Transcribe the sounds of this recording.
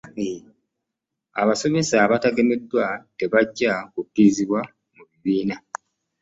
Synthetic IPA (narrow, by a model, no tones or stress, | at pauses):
a̰βaso̞me̞saβataɡe̞me̞dːwate̞βaɟːakukːiziβwa | muβiβiːna